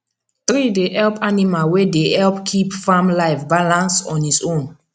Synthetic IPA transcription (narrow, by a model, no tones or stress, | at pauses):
t̪ɹideʔɛlpanimalwedehɛlpkʰipfãmlaɪfbalãnsɔ̃nisõn